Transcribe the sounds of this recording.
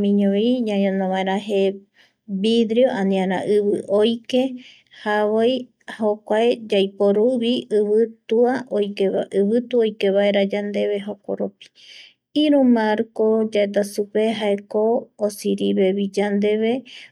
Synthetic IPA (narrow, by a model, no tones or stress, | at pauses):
mĩɲõiɲãɲõnõβaẽɾãɦe | bid̪ɾioʔanĩãɾã̰ʔɨβɨʔojke | haβoj | hokʷaed͡ʒajpoɾuβiɨβɨt̪uaojkeaɨβɨt̪uojkeβaeɾad͡ʒand̪eβe̞ɦoko̰ɾopi̥ | iɾumaɾkod͡ʒaet̪̬asupeɦaekoːsiɾiβeβid͡ʒand̪eβe